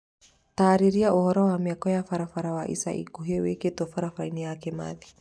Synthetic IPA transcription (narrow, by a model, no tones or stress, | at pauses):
taːɾiɾiaʔohɔɾɔwamiakɔjafaɾafaɾawaʔḭsa̰ʔḭkuɦeweketɔfaɾafainijakɛma̰ði